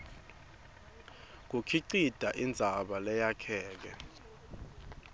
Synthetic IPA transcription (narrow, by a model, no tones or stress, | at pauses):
k̬ukʰiǀid̥ʱaʔind͡zʱaɓalɛjakʰɛːk̬ɛ̰